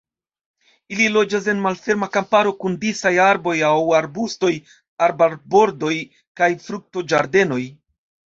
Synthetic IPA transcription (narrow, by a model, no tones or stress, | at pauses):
ililo̞d͡ʒas̬e̞nmalfe̞ɾmakampaɾo̞kundisajaɾbo̞jawaɾbusto̞j | aɾbaɾbo̞ɾdo̞j | kajfɾuk̚to̞d͡ʒaɾde̞no̞j